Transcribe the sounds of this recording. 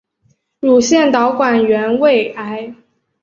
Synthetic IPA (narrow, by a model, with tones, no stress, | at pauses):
ɻu˨˩ɕjɛ˥˩nt̪ɑ˧˥ʊkwa˨˩nɥɛ˧˥nwe˥˩ɪa˧˥ɪ